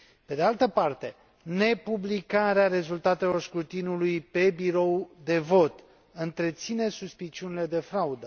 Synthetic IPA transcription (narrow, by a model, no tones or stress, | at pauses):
pe̞d̪ealt̪əpart̪e̞ | ne̞publikaɾeaɾe̞zult̪at̪e̞lo̞rskɾut̪inulujpe̞biɾo̞wd̪e̞vo̞t̪ | ɨnt̪ɾe̞t̪sine̞suspit͡ʃiunile̞d̪e̞fɾaud̪ə